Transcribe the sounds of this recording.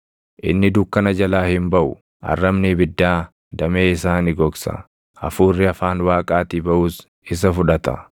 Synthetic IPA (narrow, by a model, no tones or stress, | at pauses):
ʔɪ̰nːɪd̪ʊːkːɐnɐd͡ʒɐlaːhɪmbɐʔʊ | ʔɐ̰rːɐmnibɪd̪ːaː | d̪ɐmeːɪsaːnɪɡɔɡsɐ̰ | ʔɐ̰fuːrːɪɐfaːnwaːkʼaːt̪iːbɐʔuːs | ɪs̬ɐfʊᶑɐt̪ɐ̰